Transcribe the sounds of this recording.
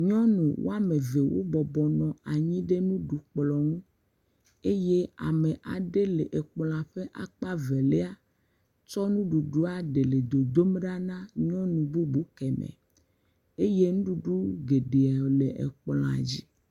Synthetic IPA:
ɲɔ̃˦nṵ̃˨wo̰˦a˦me˨ve˨wo̰˦bɔ˨bɔ˨nɔ̃˨a˨ɲĩ˦ɖe˦nũ˦ɖu˨k͡plɔ˨nũ˦ | e˦je˦a̰˨me˨ʔa˨ɖe˦le˨ʔe˨k͡pl̃a˨ɸe˦ʔa̰˨k͡pa˦ve˨le˦a˦ | t͡ʃɔ˦nũ˦ɖu˨ɖu˦a˦ɖe˨le˨d̪o˨d̪o˦mɖa˦nã˦ɲɔ̃˦nũ˨bu˦bu˦kɛ˨mḛ˨ | e˦je˦nũ˦ɖu˦ɖu˦ɡe˨ɖe˨a˨le˨ʔḛ˨k͡pl̃a̰˨d͡ʑi˦

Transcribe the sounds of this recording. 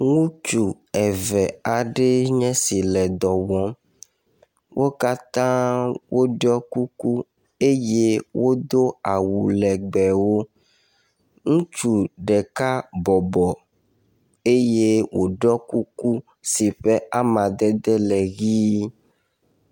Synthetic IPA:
ŋũ˦t͡ʃu˨ | ɛ˨vɛ˨a˨ɖe˦ɲɛ̃˦si˨lɛ˨d̪ɔ˨wɔ̃˦ | wʔo˦ka˦t̪ã˦wʔo˦ɖɔ˦ku˦ku˦ | e˦je˦wo˦d̪o˦a˨wu˨lɛ˨ɡ͡bɛ˨wo˦ | ŋũ˦t͡ʃu˨ɖɛ˨ka˦bɔ˨bɔ˨ | e˦je˦wo˨ɖɔ˦ku˦ku˦ | si˨ɸe˦a˦mã˨d̪ɛ˦d̪ɛ˦lɛ˨ɣi˦

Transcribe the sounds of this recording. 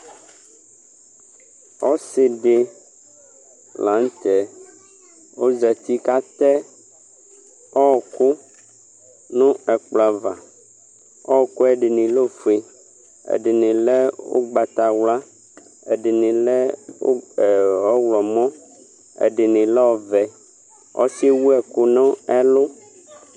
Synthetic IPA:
ɔ˦se˨ɖe˨ | la˨˦ŋ˦t̪ɛ˨ | wo˦zɛ˨t̪i˦ka˦t̪ɛ˦ | ɔ˦ɔ˨ku˦ | nũ˦ɛ˨k͡pla˨va˨ | ɔ˦ɔ˨ko˦ɛ˨ɖi˨nĩ˨lo˦fe˨ | ḛ˨ɖɪ˨nĩ˨lɛ˦wo̰˦ɡ͡ba˨t̪a˨wla˦ | ḛ˨ɖɪ˨nĩ˨lɛ˦o̰˦˨wɔ˦wlɔ˨mɔ̃˦ | ḛ˨ɖɪ˨nĩ˨lɛ˦wɔ˨vɛ˨ | ɔ̰˦si˦wu˦ɛ˨ko˦nɔ̃˦ɛ˦lo˦

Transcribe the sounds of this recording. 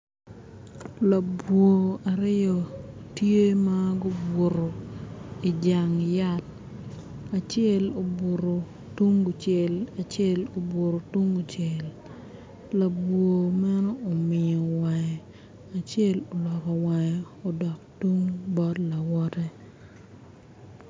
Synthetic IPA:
la˨bwo˨a˨ɾɪ˦jɔ˨tje˦ma˦ɡʊ˦bo˨ɾo˨ | i˨d͡ʒa˨ŋja˦t̚ | a˨t͡ʃɪɛ˦˨lo˨bo˨ɾo˨ | tu˦ŋɡu˨t͡ʃɛ˨la˨t͡ʃɛ˦lo˨bo˨ɾo˨tu˦ŋɡu˨t͡ʃɛ˨l | la˨bwo˨ma˦nɔː˦˨mɪ˨o˨wa˨jɛ˨ | a˨t͡ʃɛ˦lo˨lɔ˨kɔ˨wa˨j | ɔ˨dɔ˨k̚tu˦ŋbɔ˦tla˨wɔ˦tɛ˦

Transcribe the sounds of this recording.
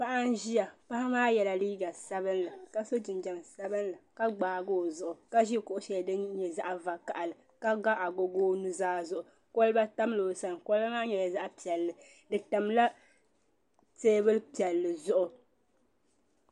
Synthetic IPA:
pa˦ʔa˦n˦ʒi˦ja˨pa˦ha˦maː˦jɛ˨la˨liː˦ɡa˨sa˦bɨ˦nlɨ˨ka˦so˦d͡ʒɪ˨nd͡ʒa˨msa˦bɨ˦n˦la˨ka˦ɡ͡baː˨ɡoː˦˨zʊ˨ʔʊ˨ka˦ʒi˦˨kʊ˦ʔʊ˦ʃɛ˨ldɨ˦ɲɛ˨za˦ʔva˨ka˨ʔa˨lɨ˨ | ka˦ɡa˦ʔa˨ɡo˨ɡoː˦nu˦zaː˦zʊ˨ʔʊ˨ | ko˦lba˦ta˦m˦lo˨sa˨nko˦lmaː˦ɲɛ˨ja˨za˦ʔpi˨ɛ˨lːɨ˨ | dɨ˨ta˨mla˦ | teː˦bɨ˦lpi˨ɛ˨lːɨ˨zʊ˦ʔʊ˨

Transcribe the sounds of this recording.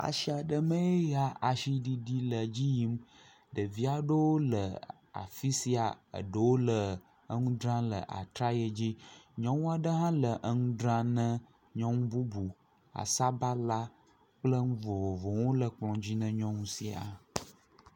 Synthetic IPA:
a̰˨ʃi˦a˨ɖə˨mə̃˦e˦ja˨ʔa˨ʃi˦ɖi˦ɖi˦lə˨d͡ʑi˦ji˦m | ɖə˨vi˦a˨ɖə˦wo˦lə˨ | a̰˨fi˦si˦a˨ə̰˨ɖə˨wo˦lə˨ | ə˦ŋũ˦d̪ɾã˦lə̰˨ʔa̰˨t̪ɾa˦je˦d͡ʑi˦ɲɔ̃˦ŋũ˦a˦˨ɖə˦ɦã˦lə˨ʔə˦ŋũ˦dɾã˦nə̃˦ | ɲɔ̃˦ŋũ˦bu˦bu˨ | a̰˨sa˦ba˦la˦ | k͡plə˦ŋũ˦vo˨vo˨vo˨ŋo˦lə˨k͡plɔ̃˨d͡ʑi˦nə̃˦ɲɔ̃˦ŋũ˦si˨a̰˨

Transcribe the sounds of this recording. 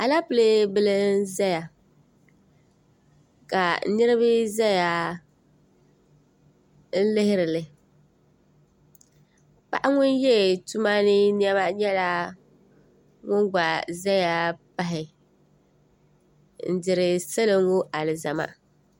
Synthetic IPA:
a˨la˦pɨ˨le˦bɨ˦lɨ˦n˦za˦ja˨ | ka˨˦nɨ˦ɾɪ˦βɨ˦za˦ja˨ | n̩˦lɪ˦hɪ˦ɾɪ˨lɪ˨ | pa̰˦ʔa˦ŋʊ˦n˦jɛ˦˨tu˦ma˦nɪ˦ni˦ɛ˦ba˦ɲɛ˦la˦ | ŋʊ˦ŋɡ͡ba˨za˦ja˨pa˦ɦɪ˨ | n̩˦dɪ˨ɾɪ˨sa˦lɨ˦ŋ˦wo˦ʔa˨lɪ˨za˨ma̰˦

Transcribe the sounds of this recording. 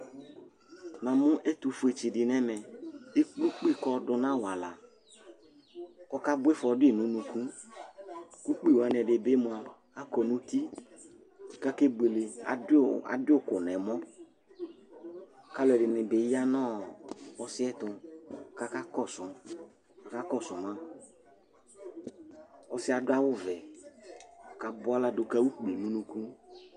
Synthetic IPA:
nã˨mʊ̃˦ʔɛ˦t̪u˧fu˨e˨t͡ʃi˨dɪ˨nɛ˦mɛ˨e˦k͡plu˦k͡pi˦˨kɔ˦dʊ˨nã˦˨wa˨la˨ | kɔ˦ka˦bʊ˦e˦fɔ˨dʊ˦e˨nũ˨nũ˨ku˦ | ku˦k͡pi˦˨wa˨nɛ˨dɪ˨be˦mʊ̃˨a˨ | a˦kɔ˨nũ˦t̪i˦˨ | ka˦ke˦ɡ͡be˨le˨a̰˨˦a̰˨dɪ˦ʊ˦˨kʊ˨nɛ˨mɔ̃˦˨ | ka˦lɔ˨ɛ˨dɪ˨nɪ̃˨be˨˦ja˦nɔ̃˦ɔ˦sɪ˦ɛ˦t̪ʊ˧˨ka˦ka˦kɔ˦˨sʊ̃˨ | ka˨ka˦kɔ˦˨sʊ̃˨mã˦ | ɔ˦sɪ˦a˨dʊ˦a˦wʊ˦vɛ˨ | ka˨˦bʊ˦a˦la˦do˧ka˧˦wu˦k͡pi˨nũ˦nũ˧kũ˦

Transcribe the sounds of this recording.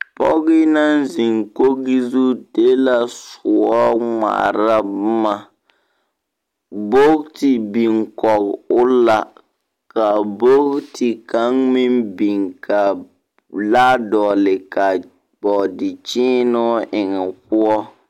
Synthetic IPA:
pɔ̰˦ɣɪ˦na˦nzi˨ŋko˦ɡi˦zu˦de˦la˨sʊ˨ɔ˦ŋa̰˨ɾa˦bma˨ | bo˦ktɪ˨bi˨ŋkɔ˨kʊ˦la˨ | ka˨bo˦kti˨ka˨˦ŋmi˦mbi˨ŋka˨ | la˦dɔ˨lɪ˨ka˨ | bɔ˨dɪ˨t͡ʃɪː˦nʊ˦ʔɪ˨ŋɛ˨pʊ˦ɔ˦

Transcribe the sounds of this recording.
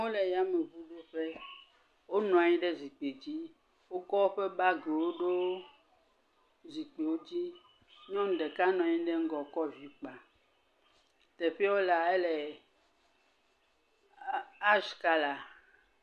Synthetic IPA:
o˦lɛ˨ja˦me˨βu˦ɖo˦ɸe˦ | wo˦nɔ̃˨a˨ɲĩ˦ɖe˦zi˨k͡pe˨d͡ʑi˦ | wo˦kɔ˦wo˦ɸe˦ba˦ɡe˨wo˦ɖo˦ | zi˨k͡pe˨wo˦d͡ʑi˦ | ɲɔ̃˦ŋ˦ɖɛ˨ka˦nɔ̃˨a˨ɲĩ˦ɖe˦ŋ̩˦ɡɔ˨kɔ˦vi˦k͡pa˨ | t̪ɛ˨ɸi˦a˦wo˦la˨e˦lɛ˨ | a˦ʃka˦la˨

